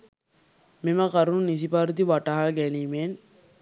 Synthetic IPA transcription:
mimɐkɐɾunːis̬ipaːɾut̪̬iʋɐʈaɦaːɡɛniːmeːn

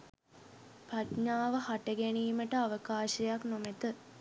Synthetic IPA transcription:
patɲaːʋəhaʈəɡæniːməʈəaʋəkaːʃɐjaknomet̪ə

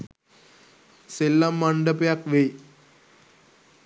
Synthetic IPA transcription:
selːamːɐɳɖɐpɐjakʋe

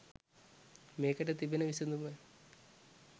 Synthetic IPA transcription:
meːkːɐʈːet̪ibinɐʋisenːume

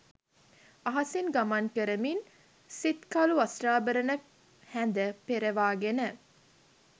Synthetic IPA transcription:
aɦasinɡamankəɾəmin | sit̪kaluasraːbəɾənə | hænd̪əpeɾəʋaːɡenə

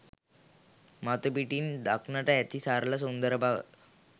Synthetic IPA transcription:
mat̪əpiʈiːnd̪akʰnaʈ̪ajat̪ʰiːsaɾlas̬und̪əɾəbʱaʋə̰t̪

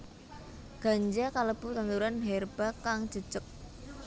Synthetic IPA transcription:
ɡ̥a̤ɲd͡ʒakaləb̥ṳt̪ant̪uɾanɦɛrb̥akaŋ̥ʒ̥ə̤d̥ʒ̥ək̚

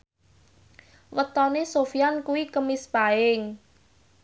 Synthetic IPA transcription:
wət̪ɔnesofijankuwikəmɪspaɪŋ

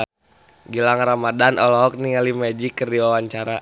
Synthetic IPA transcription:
ɡilaŋramadanɔlɔɦɔk̚niŋalimad͡ʒikːərdiwawaɲt͡ʃaɾa

